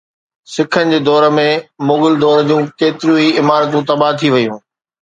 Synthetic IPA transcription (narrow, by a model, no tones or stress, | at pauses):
sɪkʰənɪ̆d͡ʑeːd̪ɔːɾə̆mẽmʊɡɪld̪ɔːɾd͡ʑũːkeːt̪ɪɾũiɪmaːɾt̪ũt̪ɐbat̪ʰiʋɐjũː